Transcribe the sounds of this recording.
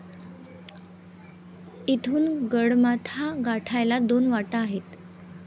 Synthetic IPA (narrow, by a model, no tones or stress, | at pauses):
it̪ʰuːnɡəɽmat̪ʰaɡaʈʰajlad̪onʋaʈaːɦet̪